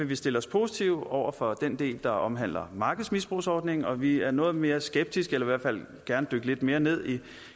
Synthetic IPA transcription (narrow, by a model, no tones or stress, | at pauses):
e̝ʋisd̥e̝ləɒ̽spʰo̝ːsit͡sʰiʊ̰ɒʊ̰ɐfɒ̽d̥end̥e̝̰ːld̥ɑ̈ʔɒ̽mɦæn̰lɐmɑ̈ːɡ̥ð̩ˠsmisb̥ʁuːsɒːd̥ne̝ŋn̩ɒ̽ʋiæɐnɔ̽ːð̩ˠme̝ːɐsɡ̥eb̥̚d̥isɡ̥elɐiʋæɐ̰dfæl̰ | ɡ̥æɐnəd̥øɡ̥əle̝d̥me̝ːɐne̝ð̞̰ˠi